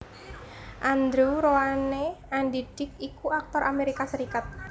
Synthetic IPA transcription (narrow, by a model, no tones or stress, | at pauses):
ʔand̪ɾuɾoaneanɖid̥ɪk̚ikuak̚t̪ɔɾʔameɾikasəɾikat̪̚